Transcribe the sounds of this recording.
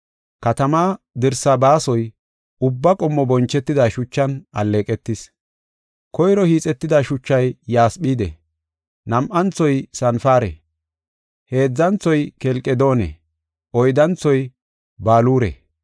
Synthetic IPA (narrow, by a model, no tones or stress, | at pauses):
kɐt̪ɐmaː | d̪ɪɾsɐbaːsɔj | ʊbːɐkʼɔmːɔbɔnt͡ʃːɛt̪ːɪd̪aʃʊt͡ʃːɐnʔɐ̰lːeːkʼɛt̪ːɪs | kɔjɾɔhiːt͡sʼɛt̪ːɪd̪aʃʊt͡ʃːɐjːaːsɓiːd̪ɛ̰ | nɐmʔɐnt͡sːɔjsɐnfaːɾɛ̰ | he̞ːd͡zːɐnt͡sːɔjkɛlkʼːɛd̪o̞ːnɛ̰ | ʔɔjd̪ɐnt͡sɔj | baːluːɾɛ̰